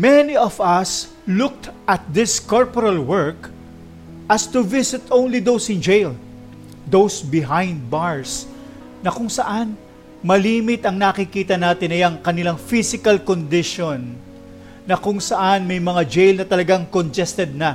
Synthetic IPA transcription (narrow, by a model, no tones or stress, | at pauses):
mɛniɔvɐs | lʊk̚t̪ʔɐt̪̚d̪ɪskoɹpoɾɐlwɛɹk | ʔɐst̪uvɪsɪt̪õwnlid̪owsɪ̃nd͡ʒejl | d̪owsbɪɦãjnd̪̚baɹs | nɐkʊŋsɐʔan | mɐliːmɪt̪ɐŋnakikiːt̪ɐnaːt̪ɪnɐjaŋkɐnɪlaŋfisɪkɐlkond̪ɪʃonː | ɐkʊŋsɐʔanmɐjmɐŋad͡ʒejlnɐt̪ɐlɐɡaŋkont̪ɛst̪ɛd̪̚nɐ